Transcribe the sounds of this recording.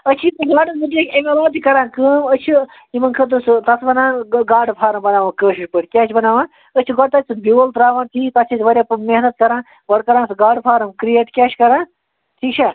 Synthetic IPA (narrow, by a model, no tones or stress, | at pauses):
ət͡ʃʰit̪uɡaːɖɨsbɨʈjekʲemelaːt̪ʰikɐɾãːnkəːmət͡ʃʰi | imɐnkʰɐt̪ɨst̪ɐt͡sʰbɐnaːnɡaːɖpʰaːɾɐmbɐnaːʋãːkəːʃiʂpəʈʰkʲaːt͡ʃʰibɐnaːʋãː | ət͡ʃʰiɡɔʈ̚t̪ɐt͡sʲʰibiɐlt̪ɾaːʋãːnʈʰiːt̪ɐt͡ʃʰisʰʋɐɾʲjameɦnɐt̪kɐɾãːn | ʋɐɽkɐɾãːnsɡaːɖpʰaːɾɐmkɾijeʈkʲaːt͡ʃʰkɐɾãːn | ʈʰiːkt͡ʃʰaː